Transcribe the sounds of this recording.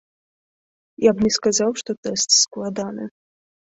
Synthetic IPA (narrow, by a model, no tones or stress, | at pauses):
jabnʲɛskazawʂt̪ɔt̪ɛst̪sklˠad̪anɨ̰